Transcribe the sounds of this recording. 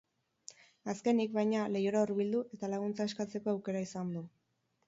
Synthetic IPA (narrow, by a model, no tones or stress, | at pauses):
aske̞nikβajɲale̞joɾauɾβild̪uʔe̞t̪alaɣ̞unt͡saeskat͡se̞ko̞awke̞ɾaisand̪u